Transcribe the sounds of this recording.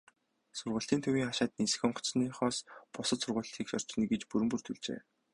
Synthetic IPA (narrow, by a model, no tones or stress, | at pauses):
sʊrʁʊ̆ɬt̪iːnt̪ʰɵwiːŋχaʃaːt̪nis̆xʲɔɴɢɞ̥̆t͡sniːχɔːspʊsə̆t̪sʊrʁʊɮt̪iːkʃɔr̥t͡ɕniːɡet͡ɕpuɾɵ̆mpɵ̆r̥t̪ʰuɮt͡ɕḛː